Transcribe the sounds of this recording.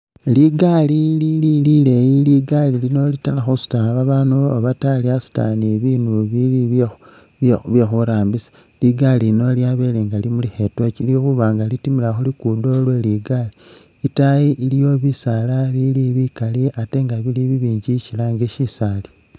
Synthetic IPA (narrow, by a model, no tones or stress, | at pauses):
liɡalililililejiliɡalilino̞litalaxusu̥taβaβanuaβataliasu̥ta̰niβinuβili | βjexuɾaːmbisḁ | liɡalilino̞liaβeleŋɡalimulixe̞twet͡ʃilixuβaːŋɡalitimilaxulikudolwe̞liɡaliː | tajiʔiljo̞βisalaβiliβikaliate̞ŋɡaβiliβiβiːɲɟicilaŋɡeʃisali